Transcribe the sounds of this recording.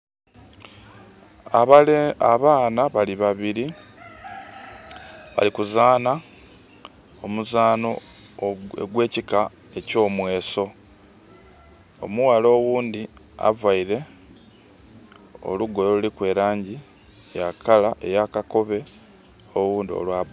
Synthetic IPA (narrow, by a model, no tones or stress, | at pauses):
aβaːnaβaliβaβiɾi | βa̰likuzaːna | omuzaːno̞ | ɡwe̞ːcika | e̞co̞ːmwe̞ːso̞ | o̞̰muwalo̞ːwuːnd̪i | a̰vaiɾe̞ | o̞̰luɡo̞joulikwe̞ːɾaːɲɟi | jakalaʔe̞jakako̞βe̞ | oɣuːndio̞̰lwaβ